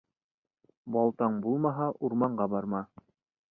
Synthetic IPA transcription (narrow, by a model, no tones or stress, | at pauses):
bɑlˠt̪ɑɴbulˠmɑɦɑʔuɾmɑɴɢɑbɑɾmɑ